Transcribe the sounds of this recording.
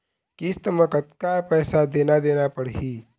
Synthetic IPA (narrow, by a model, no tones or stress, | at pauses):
kist̪əməkət̪kapɛːsad̪eːnad̪eːnapəɽɦiː